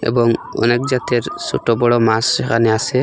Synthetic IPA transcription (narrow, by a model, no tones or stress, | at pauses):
ɛ̰bɔŋɔ̰nɛk̚d͡ʒat̪eɾsɔʈɔbɔɽɔmasɾɛkʰanɛasɛ